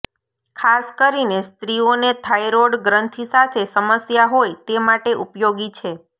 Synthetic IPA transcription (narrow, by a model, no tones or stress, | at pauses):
kʰaskəɾinest̪ɾionet̪ʰajɾoɽɡɾənt̪ʰisat̪ʰesəməsjaɦojt̪emaʈeʔupjoɡit͡ʃʰe